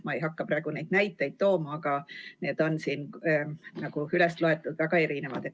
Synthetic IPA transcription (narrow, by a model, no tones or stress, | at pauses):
mɑejɦɑkːɑprɑe̞ɡ̥unejd̪̥næjt̪ːˑe̞jd̪̥̚t̪o̞ːmɑːɡ̥ɑne̞ːd̪̥o̞nsiːn | nɑɡ̥uylest̪loe̞t̪ːˑud̪væɡ̥ɑe̞ɾinevɑd̪e